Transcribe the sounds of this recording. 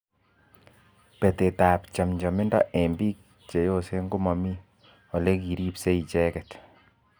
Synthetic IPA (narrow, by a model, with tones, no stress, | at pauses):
pɛ˨te˨taː˨pt͡ʃa˨mɲd͡ʒɔ˨mɪ˦ndɔ̰˦ʔɛmbi˦k̚ | t͡ʃe˨jo˦se˦ŋɡo˦mɔ˨mi˦ | ɔ˨le˦ki˨ɾi˦pse˦i˨t͡ʃɛ˦kɛt